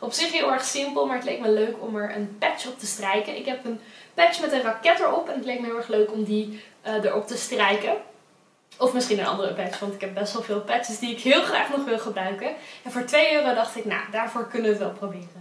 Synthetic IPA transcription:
ɔpsɪχɦɪːlˠɛɹχsɪmpəlˠmaːɹətlejk̚məløɥkɔmɛɹə̰npɛt͡ʃɔp̚təstrɛjkənɪkɦɛpənpɛt͡ʃmɛtənrɑkɛtəɹɔpɛnətlejk̚məɦɪːlˠɛχløɥkɔmdiədəɹɔp̚təstrɛjkə | ɔfmɪsχinənʔɑ̰ndərəpɛt͡ʃʋɑntɪkɛb̚bɛstʋɛlˠvɪːlˠpɛt͡ʃəsdiɪkɦɪːlˠχra̰ːχnɔχʋɪlˠχəbrœɥkəɛnvʊːɹtʋejøːrədɑχtɪkna̰daːɹvʊːɹkɵnəʋətʋɛlˠprobɪːrə

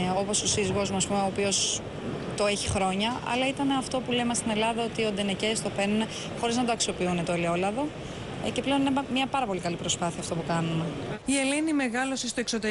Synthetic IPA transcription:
opo̞sosiziɣo̞zmuɐspumeoːpio̞s | t̪o̞e̞çixɾo̞ɲɐɐ̰lɐit̪ɐneɐft̪o̞pulemɐst̪ine̞lɐðɐo̞t̪io̞d̪enecest̪o̞penune | xo̞ɾiznɐt̪oɐksio̞piunet̪oeleo̞lɐðo̞ | ce̞ple̞oninemɲɐpɐɾɐpo̞likɐlipɾo̞spɐθiɐːft̪o̞pukɐnunie̞lenime̞ɣɐlo̞sest̪oekso̞t̪e

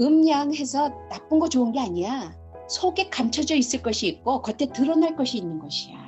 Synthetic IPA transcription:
ɯmɲaŋɦe̞sʰʌnap͈ɯnɡʌt͡ɕoɯnɡeaɲija | sʰoɡe̞kamt͡ɕʰʌd͡ʑʌis͈ɯɭk͈ʌɕʰiːk̚k͈okʌtʰetɯɾʌnaɭk͈ʌɕʰiːnːɯnɡʌɕʰijo

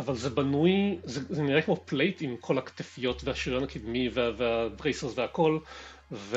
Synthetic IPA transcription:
avalzebanujzezeniʁekmoplejt̪imkʰo̞lakt̪efijo̞t̪vehaʃiʁianakid̪miveveabʁejseʁzveako̞l | ve

